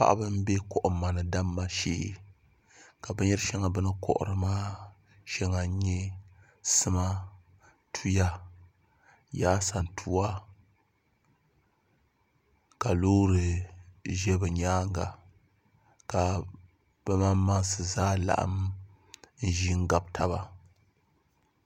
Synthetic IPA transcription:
pa̰˦ʔa̰˦bɨ˦m˦be˦kɔ˨ʔʊ˨ma˨nɨ˨da˦mːa˦ʃḛ˦ | ka˨bɨ˦ɲɛ˦ɾɨ˦ʃɛ˦ŋa˨bɨ˦nɨ˦kɔ̰˨ʔʊ̰˨ɾɨ˨maː˦ | ʃɛ˦ŋa˨˦ɲɛ˦ | sɨ˦ma˦ | tʰu˦ja˦ | jaː˦sa˨n˨tʰu˦a˦ | ka˨loː˦ɾɨ˨ | ʒɛ˦bɨ˨ɲaː˦ŋ˦ɡa̰˨ | ka˨ | b̥ɛ˦ma˦mma˦ŋsɨ˨zaː˦la̰˨ʔa̰˦m | n̩˦ʒi˦ŋ̩˦ɡa˨b̚tʰa˦βa˨

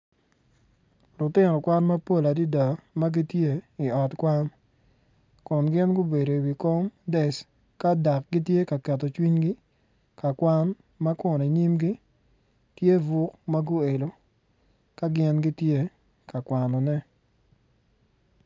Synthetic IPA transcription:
lʊ˨tɪ˦nɔ˨kwa˦nma˦po˦la˨di˦da˨ma˦ɡi˦tje˦i˨ɔ˨tkwa˦n | kɔ˨nɡɪ˦nɡʊ˦be˨do˨wi˨ko˦mdɛ˨s | ka˦da˨k̚ɡi˦tje˦ka˨kɛ˨tɔ˨t͡ʃwi˦ɲɡɪ˦ | ka˨kwa˦n | ma˦kʊ˨ne˨i˨ɲi˦mɡi˦ | tje˦vʊ˦kma˦ɡʊ˦e˨lo˨ | ka˦ɡɪ˦nɡi˦tje˦ | ka˨kwa˨nɔ˨nɛ˦

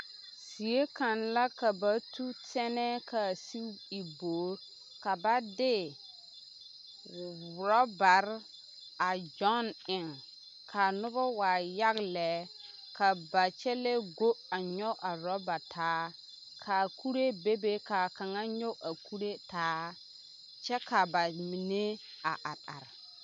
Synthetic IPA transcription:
si˨je˦ka˨nla˦ka˨ba˨tu˦tɛ˦nɛ˦ka˨si˦i˨boː˨˦ɾ | ka˨ba˦dɪ˦˨ | ɾɔ˦ba˨ɾ | a˨d͡ʒɔ˦nɪ˨ŋ | kʰa˨nʊ˦bɔ˦waː˨ja˦ɣlɛ˨˦ | ka˨ba˨t͡ʃɛ˦lɛ˦ɡo˦a˨ɲɔ˦ʔa˨ɾɔ˦ba˨tʰaː˨˦ | kʰa˨ku˦ɾe˦be˦be˦ka˨ka˨ŋa˦ɲɔ˦ʔa˨ku˦ɾe˦taː˨˦ | t͡ʃɛ˦ka˨ba˨mi˨ne˦ | a̰˨ʔa˨ɗa̰˨ɾ

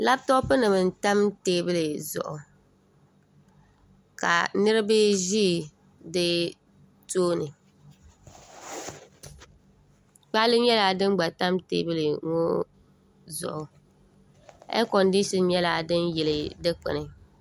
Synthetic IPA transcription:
la˦btɔ˦pɨ˦nɨ˨bɨ˨n˨ta˦mteː˦bɨ˦lɨ˨zʊ̰˨ʔʊ̰˨ | ka̰˨nɨ˦ɾɨ˦bɨ˦ʒiː˦˨ | dɨ˦ | toː˦nɨ˨ | k͡pa˦lɨ˦ɲɛ˦laː˦dɨ˦m˦ɡ͡ba˨ta˦mtḛː˦bɨ˦lɨ˨ŋo˦ | zʊ̰˨ʔʊ˨ | ɛ̰˦kɔ˨ndi˦ʃɔ˦n˦ɲɛ˦laː˦dɨ˦njɛ˨lɨ˨dɨ˦k͡pɛ̰˨nɨ˨

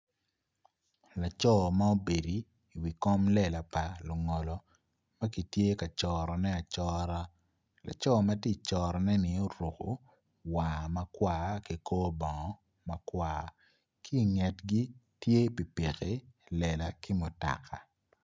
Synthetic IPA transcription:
la˨t͡ʃɔ˦ma˦o˦be˨diː˨ | wi˨kɔ˦mlɛ˦˨la˨pa˨lʊ˨ŋɔ˨lɔ˨ | ma˦ki˨tje˦ka˨t͡ʃɔ˨ɾɔ˨nɛ˦a˨t͡ʃɔ˦ɾa˦ | la̰˨t͡ʃɔ˦˨ma˦ti˦t͡ʃɔː˨ɾɔ˨nɛ˦nɪ˨o˦ɾu˨ko̰˨ | wa˨ma˦kwaː˦ki˨koː˦bɔ˨ŋɔ˨˦ | ma˨kwaː˦ | kʰiː˦˨ŋɛ˨tɡi˦tje˦pi˨pe˨ke˨lɛ˨la˨kɪ˦mʊ˨ta̰˨kʰa̰˨

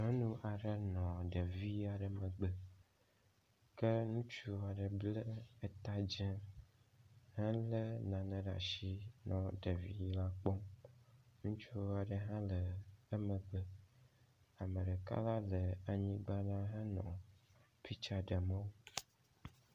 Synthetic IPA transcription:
ɦɔ̃˦nũ˦ʔa˨ɖə˦nɔ̃˨ɖə˨vi˦a˨ɖə˨mə̃˨ɡ͡bə˨ | kə˦nũ˦t͡ʃu˦a˨ɖə˨blə˦e˨t̪a˦d͡ʒɛ̃˦ | hɛ̃˦lə˦nã˨nə̃˨ɖa̰˨ʃi˦nɔ̃˨ɖə˨vḭ˦jla˦k͡pɔ˦m | nũ˦t͡ʃu˦a˨ɖə˨ɦã˦lə˨ə˦mə˨ɡ͡bə˦ | a˨mə̃˨ɖə˨ka̰˦la˦lə˨a˨ɲĩ˦ɡ͡ba˦nã˦ɦə˦nɔ̰̃˨ | fi˦t͡ʃa˨ɖə˨mə̃˦wo˦

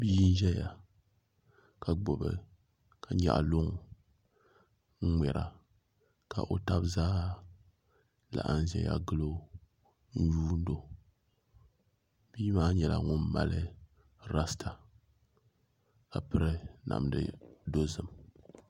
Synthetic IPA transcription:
bi˦n̩˦ʒɛ˦ja˨ | ka˨ɡ͡bo˨bɨ˨ | kʰa˨ɲa̰˨ʔlʊ˦ŋ˨ | ŋ̩˦ŋ͡mɛ˨ɾʔa˨ | ka˨ʔo˨ta˦bzaː˦ | la̰˨ʔa˨n˦zɛ˨ja̰˦ɡɨ˦lo˦ | n̩˦juː˦n̩˦do˨ | b̥i˦maː˦ɲɛ˨la˨ŋʊ˦mmːa̰˨lɨ˦ | ɾa˦stʰa˨ | ka˨pɨ˦ɾɨ˦na̰˨mdɨ̰˦do˦zɨ˨m

